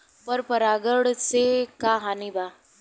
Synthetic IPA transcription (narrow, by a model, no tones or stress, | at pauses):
pəɾpəɾaɡəɽt͡sekaɦaniba